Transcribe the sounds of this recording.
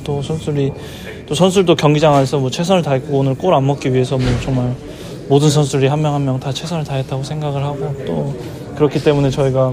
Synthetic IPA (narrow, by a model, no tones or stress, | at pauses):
t͈osʰʌnsʰuɾi | t͈osʰʌnsʰuɭdokjʌŋɡid͡ʑaŋanesʰʌmwʌt͡ɕʰwe̞sʰʌnɯɭtaɦik͈ʰoɡoonɯɭk͈oɾamːʌk͈iɥie̞sʰʌmwʌt͡ɕoŋmaɭ | modɯnsʰʌnsʰuɾiɦammjʌŋɦammjʌŋtat͡ɕʰwe̞sʰʌnɯɭtaɦet̚t͈aɡosʰeŋɡaɡɯɭhaɡot͈o | kɯɾʌkʰit͈e̞mune̞t͡ɕʌiɡa